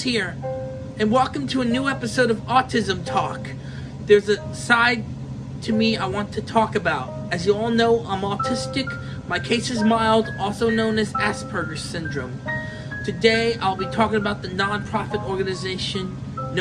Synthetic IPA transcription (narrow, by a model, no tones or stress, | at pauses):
hiɹ | ɨ̃nwɛlˠkɨ̃mtʰɨɨnʉɛpɨsoʊɾʌvɑtʰɪzɨ̃mtʰɔk | ðə˞zɨ | saɪd̚ | tʰɨmiaɪwɑ̃ntʰɨtʰɔkɨbaʊɾ̚ɨzjɨɔlˠnoʊʔãɪ̃mətʰɪstɨk | maɪkʰeɪsɨzmaɪlˠdɔlˠsoʊnõʊ̃nɨzæspʰə˞ɡə̥˞sɪ̃ndɹɨ̃m | tʰɨdeɪa̰ɪlˠbitʰɔkɪ̃ŋəbaʊt̪̚ðɨnɑ̃npʰɹ̥ɑfɨɾɔɹɡɨnɨzeɪʃɨ̃nː